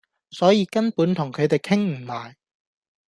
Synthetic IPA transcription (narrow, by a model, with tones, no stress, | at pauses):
sɔː˨˥jiː˨˧kɐ˥npuː˨˥nt̪ʰʊ˨˩ŋkʰɵ˨˧t̪e˨jkʰɪ˥ŋm̩˨˩maː˨j